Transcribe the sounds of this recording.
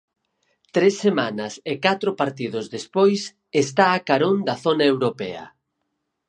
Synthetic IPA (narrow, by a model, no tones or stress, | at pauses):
t̪ɾesːemanɐsekat̪ɾʊpaɾt̪ið̞ʊzðespojs | est̪aːkaɾond̪ɐθonaewɾopɛ̰ɐ̰